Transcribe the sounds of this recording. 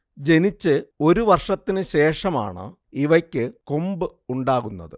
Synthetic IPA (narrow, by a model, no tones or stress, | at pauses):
d͡ʑe̞nit͡ɕːɨo̞ɾuʋɐrʂɐt̪ːinɨɕe̞ːʂɐma̰ːɳɨ̰ | iʋɐkʲːɨkombɨuɳɖaːɣunːɐ̰ðɨ